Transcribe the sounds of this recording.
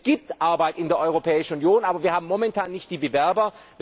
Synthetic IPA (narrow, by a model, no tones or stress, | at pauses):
ɡ̥iːp̚tʔaɐbaɪtɪndeːɐʔɔʏʁopʰɛːɪʃn̩unjoːnʔaːbɐviːɐhaːbm̩mɔmɛntʰaːnːɪçt̚d̥iːbəvɛɐbɐ | v